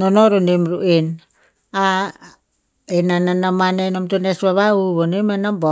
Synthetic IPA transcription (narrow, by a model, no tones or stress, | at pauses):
nonoɾunimɾuʔin | a | inananamanenomt̪unesβaβauβonimanambo